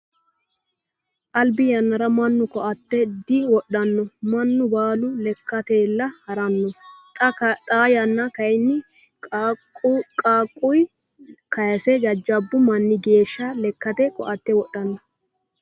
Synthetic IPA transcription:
ʔɐlbɪjɐnːɐɾɐmɐnːʊkɔʔɐt̪ːɛd̪ɪwɔɗːɐnːɔmɐnːʊbaːlʊlɛkːɐt̪eːlːɐhɐɾɐnːɔtt̪ʼaːjɐnːɐkɐjnːɪ | kʼaːkʼːʊj | kɐjɐsɛd͡ʒɐd͡ʒːɐbːʊmɐnːɪɡe̞ːʃːɐlɛkːɐt̪ɛkɔ̰ʔɐt̪ːɛwɔɗɐnːɔ

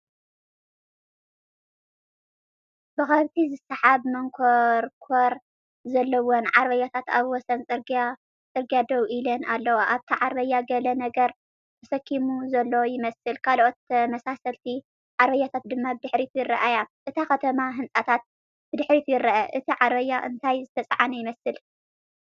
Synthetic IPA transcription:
bɨxɐβt̪ʰizɨsaħaβmɐŋkʰoɾkʰoɾ | zɐlːɐwonʕaɾβɐjat̪ʰat̪a̰βwɔsɐnʼɨa | t͡sʼɨɾɡijad̪ɐwʔilɐnalːɐwaʔaβt̪ʰiʕaɾβɐjːaɡɐlɐnɐɡɐɾ | t̪ʰɐsɐkʰːimuzɐlːojɪmɐsɨlkʰalʔot̪ɐmɐsasɐlt̪ʰi | ʕaɾβɐjːat̪ʰat̪̚d̪ɨmːabɨd̪ɨħɾit̪ʰujɪɾːɐʔajaʔɨt̪ʰakɐt̪ʰɐmaɦɨnt͡sʼat̪ʰat̪̚ | b̥ɨd̪ɨħɾit̪ʰujɪɾɐʔɐʔɨt̪ʰiʕaɾβɐjːaʔɨ̰nt̪ʰajzɨt̪ʰɐt͡sʼʕanɐjɪmɐsɨl

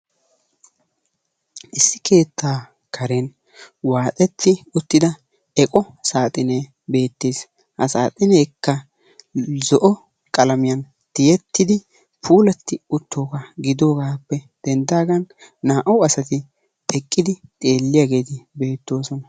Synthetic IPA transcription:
ʔɪsːɪke̞ːt̪ːaː | kʰɐɾen | waːt̪ʼɛt̪ːɪʊt̪ːɪd̪ɐ | ɛkʼɔ | saːt̪ʼɪne | be̞ːt̪ːeːs | hɐsaːt̪ʼɪnɛːkːɐ | zɔʔɔ | kʼɐlɐmɪjɐn | t̪ɪjɛt̪ːɪd̪ɪ | pʰuːlɐt̪ːɪʊt̪ʰːo̞ːɡaɡɪd̪o̞ːɡaːpːɛ | d̪̥ɛnd̪aːɡɐnːaːʔɐwɐsɐt̪ɪ | ɛkʼːɪd̪ɪt̪ʼe̞ːlːɪjaːɡe̞ːt̪ɪbe̞ːt̪ːo̞ːsɔnɐ

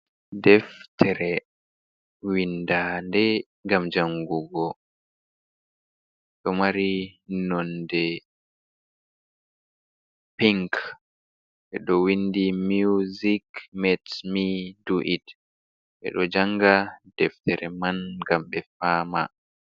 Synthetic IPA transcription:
dɛftʰɛɾɛ | windaːndɛ | ŋɡamd͡ʒaŋɡuɡɔ | ɗɔmaɾinɔndɛ | piŋk | ɓɛɗɔwindimuzikmɛtmiduʔit | ɓɛ̰ɗɔd͡ʒaŋɡad̥ɛftɛɾɛmanɡamɓɛfama̰

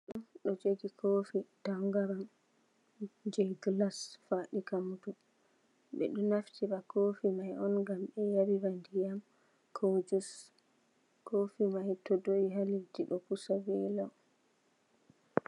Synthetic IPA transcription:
ɗunɗɔd͡ʒeɡikʰoːfitaŋɡaɾam | d͡ʒɛɡlasfaːɗikamudu | ɓɛ̰ɗɔnaftiɾakofimajɔnɡamɓɛjabiwandijam | kʰod͡ʒus | kʰofimajtɔdoiɦalitiɗɔkusawɛla

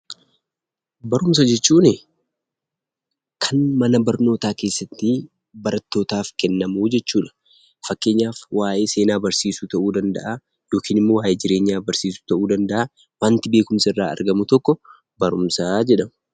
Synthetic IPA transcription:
bɐɾʊms̬ɐd͡ʒɛt͡ʃːuːnɪ | kʰɐnmɐnɐbɐɾno̞ːt̪aːke̞ːsːɐt̪ːɪ | bɐɾɐt̪ːo̞ːt̪aːfkɛnːɐmuːd͡ʒɛt͡ʃːuːᶑɐ̥ | fɐkːe̞ːɲːaːfwaːʔeːse̞ːnaːbɐɾsiːsut̪ɐʔuːd̪ɐnd̪ɐ̰ʔa | jo̞ːkiːnɪmːo̞ːwaːʔeːd͡ʒɪɾe̞ːɲːaːbɐɾsiːsu̥t̪ɐʔuːd̪ɐnd̪ɐʔaː | waːnt̪ɪbe̞ːkʊmsɐɪrːaːɐ̰ɾɡɐmʊt̪ɔkːɔ | bɐɾʊmsaːd͡ʒɛᶑɐmʊ

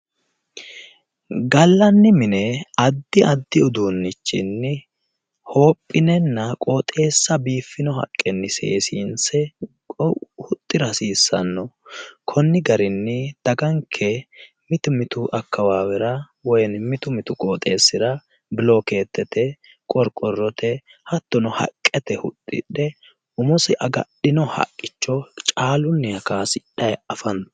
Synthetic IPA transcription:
ɡɐlːɐnːɪmɪnɛɐd̪ːɪʔɐd̪ːɪʊd̪uːnːɪt͡ʃːɪnːɪ | ho̞ːpʼːɪnɛnːɐkʼoːt̪ʼe̞ːsːɐbiːfːɪnɔhɐ̰kʼːɛnːɪsḛːsiːnsɛ | hʊt̪ʼːɪɾɐsiːsːɐ̰nːɔkʰɔnːɪɡɐɾɪnːɪd̪̥ɐɡɐŋkʰɛ | mɪt̪mɪt̪ʊʔɐkʰːɐwaːwɛɾɐ | wɔjnmɪt̪ʊmɪt̪ʊkʼoːt̪ʼe̞ːsːɪɾɐ | bɪloːke̞ːt̪ːɛt̪ɛ | kʼɔɾkʼɔrːɔt̪ʰɛ | hɐt̪ːɔnɔhɐ̰kʼːɛt̪ɛhʊ̰t̪ʼːɪ̰ᶑɛ | ʊmʊsɪʔɐɡɐ̰ɗɪnɔhɐ̰kʼːɪt͡ʃːɔt͡ʃʼaːlʊnːɛjɐkaːsɪᶑɐjɐfɐn

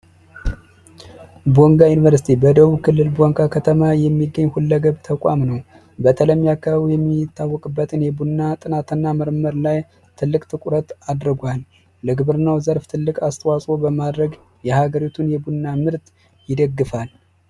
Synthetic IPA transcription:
bo̞ŋɡajunivəɾsi̥t̪ʰibəd̪əβukʰɨlːɨlbo̞ŋɡakʰət̪ʰəmajɛmːiɡːəɲːhulːəɡəβt̪ʰəkʼa̰mnəw | bət̪ʰələmːijakʰːaβaβijɛmːit̪ʰːawːɔkʼɨbːət̪ʰɨnjɛbunːat̪ʼɨnat̪ʰɨnːaməɾməɾlaj | t̪ʰɨlːɨkʼt̪ʰɨkʼuɾət̪ad̪ɾɨɡʷalː | əɡɨβɨɾnawzəɾft̪ʰɨlːɨkʼast̪ʰʼəwasʼo̞bəmad̪ɾəɡ | jɛhaɡəɾit̪ʰunjɛbunːamɨɾt̪ | jɪd̪əɡːɨfal

